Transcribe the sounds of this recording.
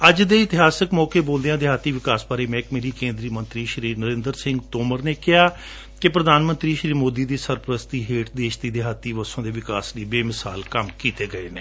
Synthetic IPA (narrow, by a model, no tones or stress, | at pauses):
əd͡ʒd̪eːɪt̪ɪɦaːsəkmɔːkeːboːld̪ejãːd̪ɪɦaːt̪ːiːʋɪkaːsbaːɾeːmɛ̃ːkmeːɾiːkẽːnd̪ɾiːmənt̪ɾiːʃɾiːɾnəɾẽːnd̪əɾsɪ̃ŋɡt̪oːməɾneːkɪɦaː | kɪpɾəd̪aːnmənt̪ɾiːʃɾiːmoːd̪iːd̪iːsəɾpəɾəst̪iːɦeːʈd̪eːʃt̪iːd̪eːɦaːt̪ːiːʋəsõːd̪eːʋɪkaːsliːbeːmɪsa̰ːlkəmkiːt̪eːɡəeːneː